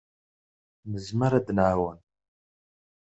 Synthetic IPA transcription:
mɨzmɐɾad̪ɨnʕawan

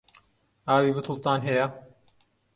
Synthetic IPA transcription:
aːβibut̪ʰult̪aːnɦeja

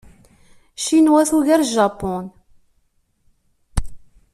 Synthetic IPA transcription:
ʃinwæθuʝæɾʒɑpɔn

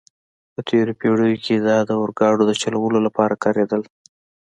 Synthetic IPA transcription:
pət̪ʰeɾopeɽəjoked̪ɑd̪əʊɾɡɑɖod̪ət͡ʃaləwəlolapɑɾakɑɾed̪əl

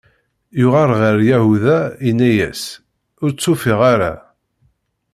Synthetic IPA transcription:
jʊʁaɾʁəɾjæhuðæinːæjæ̰s | ʊɾt͡sːʊfɪʁaɾa̰

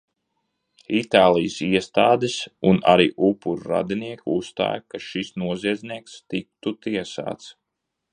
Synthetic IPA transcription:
it̪aːlˠijsiɛst̪aːd̪isuna̰ɾiːʔupːuɾɾa̰d̪iniɛkʲust̪a̰ːjkaʃisnuɔziɛd̪zʲniɛkst̪ik̚t̪ut̪iɛsa̰ːt̪s

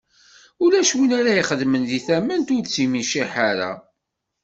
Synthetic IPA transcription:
ulæʃwinaɾæjiχəðmənðiθæmənt̪ʊɾt͡sːimiʃiħaɾa̰

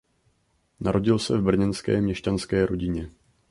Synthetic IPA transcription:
naɾʔo̞ɟɪlsɛvbr̩ɲɛnskɛ̰ːmɲɛʃcanskɛːɾʔo̞ɟɪɲɛ

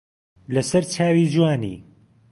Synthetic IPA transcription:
lɐsɐɾt͡ʃʰaːwid͡ʒuwaːnḭː

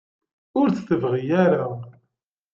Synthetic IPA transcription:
ʊɾθθəvʁijaɾa

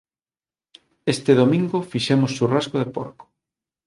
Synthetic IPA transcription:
est̪ɪðomĩŋɡʊfiʃɛmosːurazɣoð̞epo̰ɾko̥

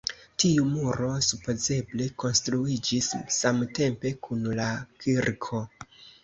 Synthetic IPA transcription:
tiumuɾo̞supo̞ze̞ble̞ko̞nstɾuid͡ʒisːamte̞mpe̞kʰunlakʰiɾkʰo̞

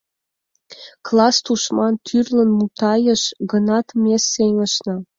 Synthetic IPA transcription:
klɑst̪uʃmɑnt̪ʰyrlə̆nmut̪ɑjə̆ʃɡɤ̆nɑt̪mʲesːeŋə̆ʃnɤ̆

